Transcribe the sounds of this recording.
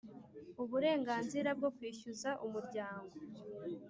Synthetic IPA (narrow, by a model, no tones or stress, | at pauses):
uβuɾe̞ːŋɡaːnziɾab̚ɡo̞kwiːʃuzaʔumuɾɟaːŋɡo̞